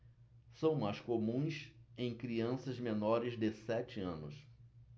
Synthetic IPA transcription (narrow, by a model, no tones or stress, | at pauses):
sɐ̃w̃majskomũj̃sẽj̃kɾiɐ̃sɐzmenɔɾɪzd̪ɪsɛt͡ʃɪɐ̃nʊ̰s